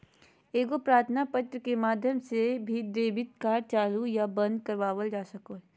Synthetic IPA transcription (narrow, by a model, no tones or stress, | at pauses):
eːɡopɾaːɾt̪ʰnapət̪ɾəkemaːd̪ʱjəmsebʱid̪eːbɪt̪̚kaːɾt͡ʃaːlujabɐ̃nd̪̚kɐɾʋaːʋəld͡ʒaːsɐkoːɦɛ